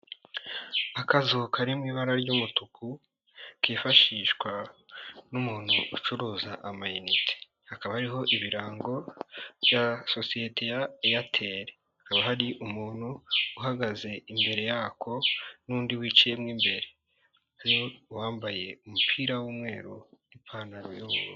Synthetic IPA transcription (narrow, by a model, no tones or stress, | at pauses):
akazukʰaɾimŋiːβaɾaɾɟumutukʰu | kiːfaʃiːʃkwa | numuːn̥huːt͡ʃuɾuːza̰ʔamajinitʰe̥ | hakaβahaɾiɦo̞ʔiβiɾaːŋɡo̞βjaso̞sijetʰe̞jajatʰe̞ːɾe̞hakaβahaɾiʔumuːn̥huːɦaɡaze̞imbe̞ɾe̞jaːkʰo̞nuːndiwiːt͡ʃijemŋiːmbe̞ɾe̞ | haɾiwowaːmbaje̞umupʰiːɾawuːmŋe̞ːɾunipʰanaɾojoɾo